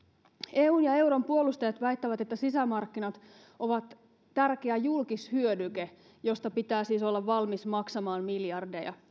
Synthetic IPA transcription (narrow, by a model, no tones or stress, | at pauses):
e̞ːuːnjɑe̞uɾo̞mpuo̞lust̪ɑjɑt̪ʋæjt̪ːæʋæt̪e̞t̪ːæsisæmɑrkːinɑt̪ | o̞ʋɑt̪ː | ærk̟eæjulkishyødyke | jo̞st̪ɑpit̪æːsiːso̞lːɑʋʋɑlmismɑksɑmɑːnmiljɑrdejɑ̰